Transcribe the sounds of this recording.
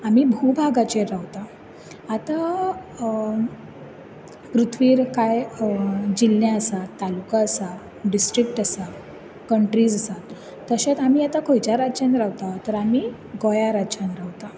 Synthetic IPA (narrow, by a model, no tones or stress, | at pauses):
amiːbʱubʱaɡat͡ɕeɾawt̪aː | t̪a | pɾut̪ʰʋiːɾkaj | d͡ʑilnãəsat̪t̪ːalukaəsa | ɖisʈɾikʈasa | kəɳʈɾid͡zəsat̪ː | əɕat̪amiːat̪akʰojt͡ɕaɾat͡ɕanɾawt̪at̪əɾami | ɡɔjaɾat͡ɕanɾawt̪a